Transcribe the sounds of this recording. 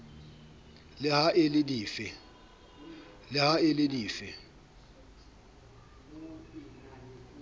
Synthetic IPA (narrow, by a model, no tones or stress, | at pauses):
lɪhaʔɪlɪdiːfɪ | lɪhaɪlɪdiːfɪ